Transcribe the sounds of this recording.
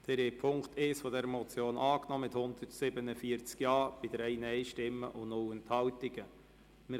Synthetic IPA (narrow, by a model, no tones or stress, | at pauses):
d̥ɛɾeːpʰʊŋkteːsfɔdɛɾəmɔt͡sjoːnʔɑːknɔmɪthʊnd̪̥əɾtsɪbənəfiəɾt͡skjɑːb̥ɪd̥əɾɛɪnɛɪʃtɪmːəʔʊnʊlɛnthɑltɪɡ̥ə | mɪ